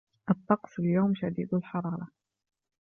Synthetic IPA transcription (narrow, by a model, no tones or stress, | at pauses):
ʔɑt̪ˤːɑqsˤɪljawmʃad̪iːd̪alħɑɾˤɑːɾˤɑ